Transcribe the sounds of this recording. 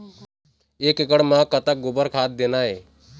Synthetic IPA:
eːkɪkəɽmãkət̪aɡʊbəɾkʰaːt̪̚d̪eːnaːɦeː

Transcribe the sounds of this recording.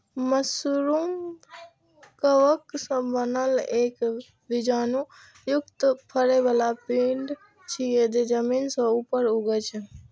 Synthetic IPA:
məsuɾum | kəʋəksə̃bənəlek | bid͡ʒanu | jukt̪pʰəɾebalapiɳɖ | t͡ʃʰied̪ed͡ʒəminsə̃upəɾuɡət͡ʃʰɛ

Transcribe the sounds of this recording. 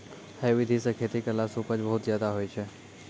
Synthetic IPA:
hɛːʋɪd̪ʱisẽkʰeːt̪ikəlasupəd͡ʒbəɦʊt̪zjaːd̪aɦoːit͡ʃʰeː

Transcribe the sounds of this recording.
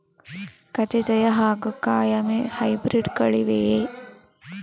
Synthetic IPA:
kɐt͡ʃed͡ʒɐjɐɦaːɡukaːjɐmehɐjbɾiɖkɐɭiʋee

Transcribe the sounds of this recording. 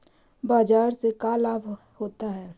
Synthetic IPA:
baːd͡ʒaːɾsekalaːbʱ | hoːt̪aɦɛː

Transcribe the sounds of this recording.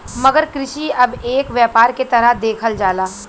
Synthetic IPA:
mɐɡəɾkɾɪʃiɐbeːkʋjɛːpaːɾket̪ɐɾəɦd̪eːkʰəld͡ʒaːlaː

